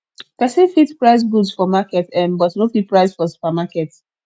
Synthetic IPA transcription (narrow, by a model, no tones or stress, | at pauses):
kasefitpɹaɪs̬ɡudsfɔmakɛtɛ̃mbɔtnofit̚pɹaɪsfɔsu̥pamakɛt